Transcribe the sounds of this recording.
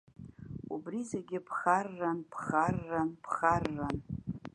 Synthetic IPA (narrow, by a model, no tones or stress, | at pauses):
ubrizeɡʲɪpʰχarːanpʰχarːanpʰχarːan